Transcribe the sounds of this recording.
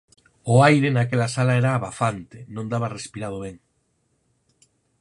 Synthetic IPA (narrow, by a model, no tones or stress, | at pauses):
ʊajɾenakelasalaɛɾaːβafant̪enõnd̪aβarespiɾað̞oβeŋ